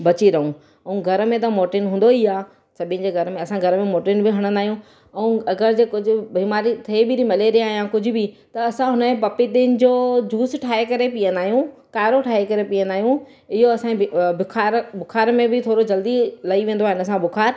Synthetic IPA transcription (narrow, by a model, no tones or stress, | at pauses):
bɐt͡ɕiɾɐɦũ | ɐ̃ũɡʱɐɾmẽt̪ɐmoːʈɪnɦũːn̆d̪oijaː | sɐbʱɪə̃nd͡ʑeːɡʱɐɾmẽɐsãɡʱɐɾmẽmoːʈɪnbɪɦɐɽ̃nd̪aːijũ | ɐũɐɡəɾd͡ʑeːkʊd͡ʑʱʊ̆bʱiːmaːɾit̪ʰeːbʱɪɾimɐleɾiaːɦjãkʊd͡ʑʱʊ̆bi | t̪ɐːsãɦʊnəmẽpɐpit̪ɪnɪ̆d͡ʑoːd͡ʑuːsʈʰaːekɐɾepijə̃nd̪aːɦijũ | kaːɾoʈʰaːekɐɾepiə̃nd̪aːɦijũ | ɪɦoɐsãbɪkʰaːɾbʱʊkʰaːɾmẽbɪt̪ʰoːɾod͡ʑɐld̪ilɐiʋẽːn̆d̪oaːɦɪnə̆s̬ãbʊkʰaːɾ